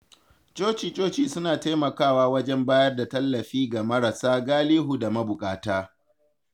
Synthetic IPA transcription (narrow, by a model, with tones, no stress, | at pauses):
t͡ʃʼoː˦t͡ʃiː˨t͡ʃʼoː˦t͡ʃiː˨sʊ˦naː˨ta˦jmɐ˨kaː˦˨waː˦wɐ˦d͡ʒɛ˦mbaː˦jɐ˦rda˨tɐ˦lːɐ˨ɸiː˦ɡa˨mɐ˦ɾa˨saː˦ɡaː˦liː˦ɦu˨da˨mɐ˦bʊ˨kʼaː˦taː˦